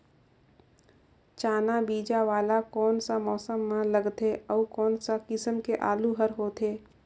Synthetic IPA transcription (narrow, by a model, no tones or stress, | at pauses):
t͡ʃaːnabiːd͡ʒaʋaːlakɔːnsamɔːsəmːãləɡt̪eɔːkɔːnsakɪsəmkeʔaːluɦəɾɦoːt̪ʰeː